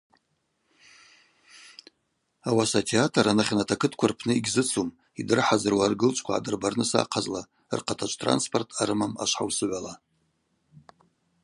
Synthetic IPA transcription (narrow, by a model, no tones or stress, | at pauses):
awasatʰeatʰaranaχʲnatʰakʰɨtʰkʷʰarpʰnɨiɡʲzɨt͡sʰum | idɨrħazɨrwarɡɨlt͡ʃʷʰʼkʷʰaʕa̰dɨrbarnɨsa̰qʰazla̰ | rqʰatʰat͡ʃʷʼtʰra̰nspʰo̞rtʰaɾɨmama̰ʃʷħawsɨʕʷala